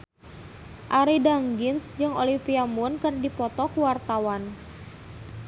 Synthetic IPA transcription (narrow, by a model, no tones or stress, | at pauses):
ʔaɾidaŋɡɪnsd͡ʒɨŋolipiamʊnkɨrdipɔt̪ɔkuwart̪awan